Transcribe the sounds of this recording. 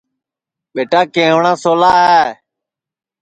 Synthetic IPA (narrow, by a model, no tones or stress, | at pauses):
ɓeːʈaːkẽːʋɳãːsoːlaːɦeː